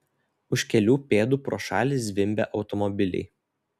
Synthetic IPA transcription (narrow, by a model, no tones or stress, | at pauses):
ʊʃʲkʲɛlʲuːpʲeːd̪uːpɾoːʃɑ̰ːlʲis̬ʋʲɪmʲbʲɛ̰ʔɒʊt̪ɔmɔbʲɪlʲɛ̰ɪ